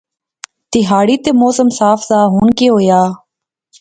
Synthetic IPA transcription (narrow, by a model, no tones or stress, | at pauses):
t̪ɪɦaːɽiːt̪eːmoːsəmsaːfzaːɦuːɳkeːɦoːjaː